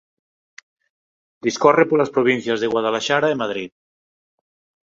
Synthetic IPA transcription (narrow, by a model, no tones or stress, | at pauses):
d̪iskɔrepolaspɾoβ̞inθjazðeɣwaðalaʃaɾaemað̞ɾit̪̚